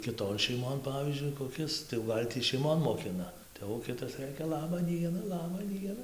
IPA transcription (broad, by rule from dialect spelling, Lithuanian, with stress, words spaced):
kʲɪˈtoːn ʃʲɛɪˈmoːn ˈpɑːʋʲiːzʲd͡ʒʲʊɪ koːˈkʲɪs tɐɪ jɛʊ ˈɡɐlʲ tʲiː ʃʲɛɪˈmoːn moːˈkʲɪnɐ tɐɪ jɛʊ ˈkʲɪtɐs ˈrɘkʲɛ ˈlˠɑːbɐ ˈdʲiɛnɐ ˈlˠɑːbɐ ˈdʲiɛnɐ